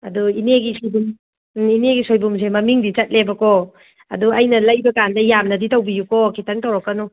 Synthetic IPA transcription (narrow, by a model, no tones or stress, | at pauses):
ɐduineɡisojbum | ineɡisojbums̬emɐmiŋdit͡ʃɐt̚lebɐkɔ | ɐ̰duɐjnɐlɐjbɐkandɐjamnɐditɐwbijukɔkʰitʰɐŋtɐwɾakːɐnu